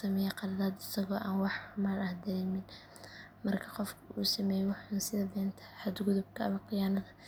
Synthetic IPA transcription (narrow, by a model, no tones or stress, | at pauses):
sɐmɛːjɛqɑlɐðaːd̪ɪsɐɣɔːʔaːnwɑħʊmaːnɐhd̪ɐɾɛːmɪn | mɐrkʰɐ̥qɔfkʰʊuːsɐmɛːjɛwɑħnsɪðɐd̪ɛːnt̪ʰɐ̥hɐd̪ɡʊðʊb̚kʰɐɐβɐqɪjaːnɐðɐ